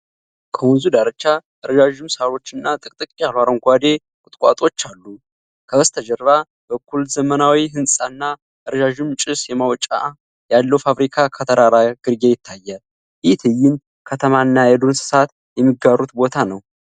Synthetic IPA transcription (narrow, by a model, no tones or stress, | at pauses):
kʰəwunzud̪aɾət͡ʃːaʔɨɾd͡ʒaʒumsaɾo̞t͡ʃːɨnːat̪ʼɨkʼt̪ʼɨkʼalwaɾəŋɡʷad̪e̞ | kʼʊt̪ʼkʼa̰t̪ʼo̞t͡ʃːalːu | kʰəbəst̪ʰəd͡ʒəɾβa | bəkʰːulzəmənawiɦɨnsʼanːa | ʔɨɾd͡ʒaʒumt͡ʃʼɨsjɛmawt͡ʃʼa̰ | jalːəwfaβɾikʰakʰət̪ʰəɾaɾaɡ̥ɨɾɡejɪt̪ʰːajːal | jɪht̪ʰɨjːɪn | kʰət̪ʰəmanːajɛd̪onsɨ̥sat̪ | jɛmːiɡaɾut̪bo̞t̪ʰanəw